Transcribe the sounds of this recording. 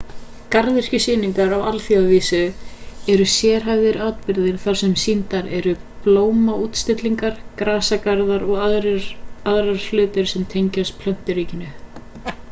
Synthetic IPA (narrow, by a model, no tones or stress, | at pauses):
kaɾðɪr̥cʏsɪːniŋkaɾawalθjaviːsʏɛɾʏsjɛːɾ̥ɦavðɪɾaːwt̪̚pɪɾðɪɾ̥θaɾ̥sɛmsint̪aɾɛɾʏ | ploːwmaut̪st̪ɪt̪liŋkaɾ̥kɾaːsakaɾðaɾɔɣ | aðɾaɾ̥flʏːt̪ɪɾ̥sɛmt̪ʰejɲcaspʰlœn̥t̪ɪɾiːcɪnʏ